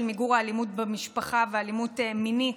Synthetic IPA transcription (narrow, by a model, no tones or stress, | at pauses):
lmiɡuʁaːlimut̚bemiʃpaχavealimutemini